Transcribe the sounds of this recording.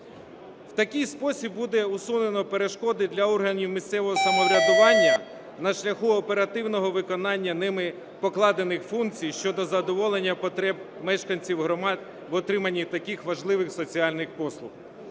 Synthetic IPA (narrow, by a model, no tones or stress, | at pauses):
w̥t̪ɐkʲɪjspɔsʲibːud̪ɛusune̞nɔpeɾeʃkɔd̪ɪd̪lʲɐɔrɦɐnʲiwmʲist̪sɛʋɔɦɔsɐmɔʋɾʲɐd̪ʊʋɑnʲːɐ | nɐʃlʲɐxuɔpe̞ɾɐt̪ɪwnɔɦɔʋɪkɔnɑnʲːɐnɪmɪ | pɔklˠɑd̪e̞nɪxfunk̚t͡sʲijʃt͡ʃɔd̪ɔzɐd̪ɔʋɔlˠenʲːɐɛb̚ | mɛʃkɐnʲt͡sʲiwɦɾɔmd̪ | ʋɔt̪ɾɪmɐnʲːit̪ɐkixʋɐʒlˠɪʋɪxsɔt͡sʲiɑlʲnɪxpɔslˠʊx